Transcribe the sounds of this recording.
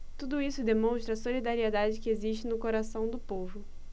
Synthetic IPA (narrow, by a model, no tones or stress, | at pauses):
t̪ud̪ʊisʊd̪emõw̃ʃt̪ɾɐsolid̪aɾied̪ad͡ʒɪkɪeziʃt͡ʃɪnʊkoɾasɐ̃w̃d̪ʊpovʊ